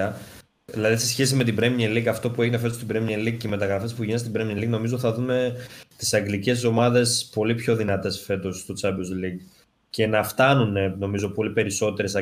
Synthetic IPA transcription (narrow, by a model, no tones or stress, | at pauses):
ɐ | ilɐðisesçe̞s̬ime̞t̪ibɾemɲelikɐft̪o̞pue̞ʝinefe̞s̬ost̪ibɾemelik̚ceime̞t̪ɐɣɾɐfe̞spuʝinest̪ibɾemelikno̞mizoθɐðume̞t̪i̥sɐŋɡlice̞s̬o̞mɐðe̞spo̞lipço̞ðinɐt̪e̞sfe̞t̪o̞sst̪o̞t͡sɐbiozliɡ | ce̞nɐft̪ɐnuneno̞mizo̞po̞lipe̞ɾiso̞t̪e̞ɾe̞sɐ